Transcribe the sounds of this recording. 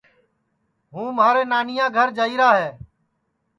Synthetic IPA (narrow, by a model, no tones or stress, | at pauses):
ɦũːmaːɾeːnaːnɪjãːɡʱəɾd͡ʒəiːɾaːɦeː